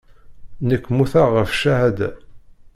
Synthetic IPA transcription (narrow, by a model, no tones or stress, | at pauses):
nəkʷːmuθaʁəfʃæhæd̪